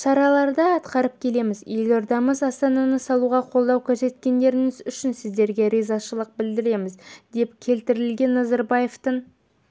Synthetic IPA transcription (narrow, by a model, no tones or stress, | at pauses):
ʃɑɾɑlˠɑɾd̪əɑt̪qɑɾəp̚kʲʰe̞le̞mɪzjeloɾd̪ɑməzɑst̪ɑnɑnəsɑlˠuʁɑqʰo̞lˠd̪ɑwkʲʰaʒe̞t̪̚kʲe̞nd̪e̞ɾɪŋɪzʏʃɪnsɪzd̪e̞ɾɡʲe̞ɾezɑʃəlˠəq̚bɪld̪ɪɾe̞mɪzd̪e̞pkʲʰe̞lt̪ɪɾɪlɡʲe̞nːɑzɑɾbɑje̞ft̪əɴ